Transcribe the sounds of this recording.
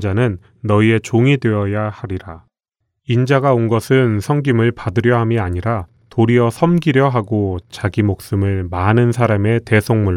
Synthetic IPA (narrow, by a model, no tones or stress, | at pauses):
d͡ʑanɯnː | ʌie̞t͡ɕoŋidwe̞ʌjahaɾiɾa | ind͡ʑaɡaonɡʌsʰɯnsʰʌŋɡimɯɭpadɯɾjʌɦamiaɲiɾa | toɾiʌsʰʌmɡiɾjʌɦaɡot͡ɕaɡimok̚s͈ɯmɯɭmanɯnsʰaɾame̞te̞sʰoŋmuɭ